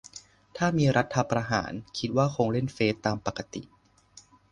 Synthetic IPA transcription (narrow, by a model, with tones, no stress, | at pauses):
t̪ʰaː˥˩miː˧ɾa˦˥t̪ʰːa˧pɾa˧ɦa̰ː˩˦nkʰi˦˥t̪̚waː˥˩kʰoː˧ŋɾe˥˩nfeː˦˥t̪ːaː˧mpa˨˩ka˧t̪ḭ˨˩ʔ